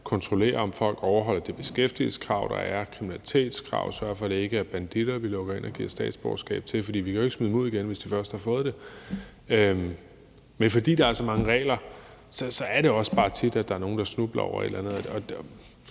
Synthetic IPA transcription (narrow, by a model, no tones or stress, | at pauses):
kʰɒ̽nt͡sʰʁo̝le̝̰ːɐɒ̽mfɒ̽l̰ɡ̥ɒʊɐɦɒ̽l̰ɐd̥eb̥e̝sɡ̥efd̥ḭlsə̥kʰʁɑ̈ʊd̥ɑ̈æɐkʰʁiminælit͡sʰe̝̰ːd̥skʰʁɑ̰̈ʊ̰sɶɐfɒ̽ɾ̥e̝e̝ɡ̥əæɐb̥ænd̥id̥ɐʋilɔ̽ɡ̥ɐe̝nʔɒ̽ɡ̥ḭːɐ̰̥sd̥ɛ̰ːd̥sb̥ɒʊsɡ̥ɛ̰ːb̥̚t͡sʰe̝fɒd̥ḭːʋikʰæe̝ɡ̥smyð̩ˠmo̝ð̞̰ˠiɡ̥enʋe̝sd̥ifɶɐsd̥hɑ̈fɔ̽ːð̩ˠd̥e̝ | øm | menfɒ̽d̥ḭːd̥ɑ̈æɐsɒ̽mɑ̈ŋəʁɛ̰ːlɐ | sɒ̽sɒ̽æɐɾe̝ɒ̽sb̥ɑ̈ːt͡sʰid̥æd̥ɑ̈æɐno̝ːn̩d̥ɑ̈snub̥lɐɒ̰ʊ̰ɐe̝̰d̥lænð̩ˠɒ̽